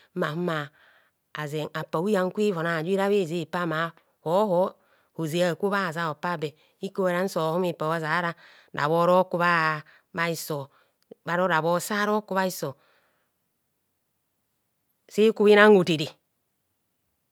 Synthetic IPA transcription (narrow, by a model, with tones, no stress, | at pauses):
ma˨m˦maː˨ | ze˨ŋa˨pa˨wu˦a˨ŋ˦kʷi˦vo˨na˨d͡ʒi˦ɾa˦βe˦˨zi˦i˨pa˦ma˨˦ | ho˨˦ho˦ | ho˨ze˨a˨kʷu˦βa˦˨za˦o˨pa˦˨be˨ | i˦ko˦e˨ɾa˦n̩˦so˨ho˦mi˨pa˨˦a˦za˨˦ɾa˦˨ | da̰˨βo˦ɾo˦ku˦βa˦ | ba˦i˨so˨ | ba˦ɾo˦ɾa˨bo˦sa˦ɾo˦ku˦βa˦i˦so˨ | si˦ku˦i˦na˦ŋu˨te˨di˨